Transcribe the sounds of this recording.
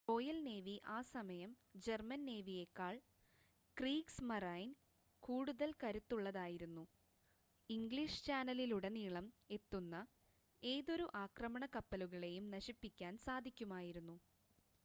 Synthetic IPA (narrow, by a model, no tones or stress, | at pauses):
ro̞ːjɐlne̞ːʋiʔaːsɐmɐjɐm | d͡ʑe̞rmɐnne̞ːʋije̞kːaːɭ | kriːksmɐrajn | kuːɽuðɐlkɐɾut̪ːuɭːɐðaːjiɾunːu | iŋɡɭiʂt͡ɕaːnɐliluɽe̞niːɭɐme̞t̪ːunːɐ | e̞ːðo̞ɾuʔaːkrɐmɐɳɐkɐpːɐluɣɐɭe̞jumnɐɕipːikʲːaːnsaːd̪ʱikʲːumaːjiɾunːu